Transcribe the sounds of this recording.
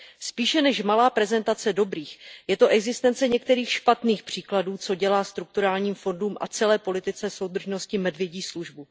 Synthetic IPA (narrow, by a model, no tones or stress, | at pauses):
spiːʃɛnɛʃmalaːpɾɛzɛnt̪at͡sɛdo̞bɾiːxjɛt̪oʔɛɡzɪst̪ɛnt͡sɛɲɛk̚t̪ɛɾiːxʃpat̪niːxpr̝̥iːkladuːt͡so̞ɟɛlaːst̪ɾuk̚t̪uɾaːlɲiːmfo̞nduːmʔa̰t͡sɛlɛːpo̞lɪt̪ɪt͡sɛso̞wd̪r̩ʒno̞scɪmɛdvjɛɟiːsluʒbu